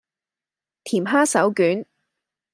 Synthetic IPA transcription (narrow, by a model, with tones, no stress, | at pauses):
t̪ʰiː˨˩mɦaː˥sɐ˨˥wkyː˨˥n